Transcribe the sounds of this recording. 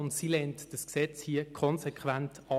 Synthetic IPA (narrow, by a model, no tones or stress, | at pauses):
ʊntsilɛntd̥əsksɛt͡shiːəkʰɔnsekʰvæntʰɑ